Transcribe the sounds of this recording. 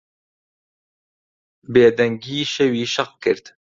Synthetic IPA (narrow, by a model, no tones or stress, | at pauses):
beːd̪ɛŋɡiːʃɛwiːʃɐq̚kɨɾt̪